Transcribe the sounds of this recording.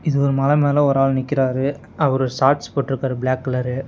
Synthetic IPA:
ɪðɯɔɾɯmɐlɐmeːlɐɔɾaːɭnɪkːɪɾaːɾɯ | ɐʋɐɾɔɾsaːɾʈspoːʈːɪɾɯkːɾaːɾɯbɭaːkːɐlɐɾɯ

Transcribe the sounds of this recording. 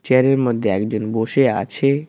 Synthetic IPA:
t͡ɕeaɾeɾmod̪ʱːeɛkd͡ʑonboʃea̰t͡ɕʰe

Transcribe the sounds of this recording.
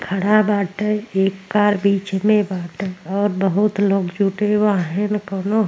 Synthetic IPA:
kʰəɽabaːʈəeːkːaːɾbiːt͡ʃmẽbaːʈəɔːɾbəɦʊt̪loːkd͡ʒʱuːʈewaɦɛ̃nəkoːno

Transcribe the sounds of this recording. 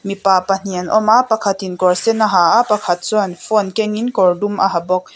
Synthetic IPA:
mipaːpɐn̥iənʔɔmaʔpakʰat̪inkɔrsɛnaɦaːʔapɐkʰɐt̪̚t͡sɔɐnfɔnkɛŋinkɔrdumʔa̰ɦabɔk̚

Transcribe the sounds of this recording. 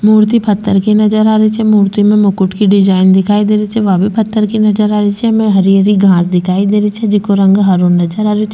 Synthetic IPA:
muːɾt̪ipʰɐt̪ːəɾkinɐd͡ʒəɾaːɾit͡ʃʰɛmuːɾt̪imẽmʊkʊʈkiɖɪd͡ʒaːɪnd̪ɪkʰaːid̪eːɾit͡ʃʰɛʋabʱipʰət̪ːəɾkinɐd͡ʒəɾaːɾit͡ʃʰɛmẽɦɐɾijəɾiɡʱãːsd̪ɪkʰaːid̪eːɾit͡ʃʰɛd͡ʒɪkoɾɐ̃ŋɡɦaɾonːɐd͡ʒəɾaːɾit͡ʃʰɛ

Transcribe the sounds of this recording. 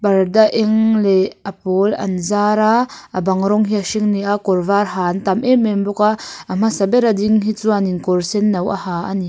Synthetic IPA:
bɐrdaʔɛŋlɛɐpɔːlɐ̰nzaːɾaʔabɐŋɾɔŋɦiaʃiŋniʔakɔrvarɦaːnt̪ɐmʔɛmɛmbɔkaʔʔam̥asɐbɛɾadiŋɦit͡suaninkɔrsɛnːɐwʔa̰haːʔani

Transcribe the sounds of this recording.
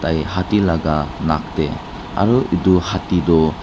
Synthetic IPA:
tajhatilaɡanak̚te | a̰ɾuiduhatidɔ

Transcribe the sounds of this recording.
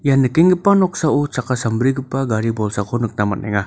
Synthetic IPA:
janɯkiŋɡɯpanɔk̚saut͡ʃakasɐmbɾiɡɯpːaɡaɾibɔlsakʰonɯk̚namɐnɛ̰ŋa

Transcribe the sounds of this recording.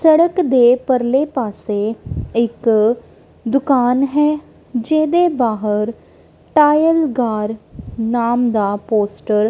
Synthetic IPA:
səɽəkd̪eːpəɾleːpaːseːɪk | d̪ʊkaːnɦɛː | d͡ʒeːd̪eːbaːɦəɾ | ʈaːjəlɡaːɾnaːmd̪aːpoːsʈəɾ

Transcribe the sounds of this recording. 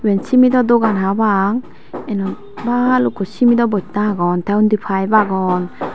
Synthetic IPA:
wensimidɔdɔɡanɦabaŋ | enɔ | balukɔsimidɔbɔt̚naɡɔntawndipʰajbaɡɔn

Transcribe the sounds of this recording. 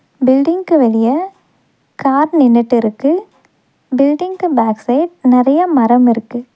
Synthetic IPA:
bɪlɖɪŋkɯʋɐɭɪjɐ | kaːɾnɪnːɪʈːɪɾɯkːɯ | bɪlɖɪŋkɯbaːksɐɪʈ̚nɪɾɐjɐmɐɾɐmɪɾɯkːɯ

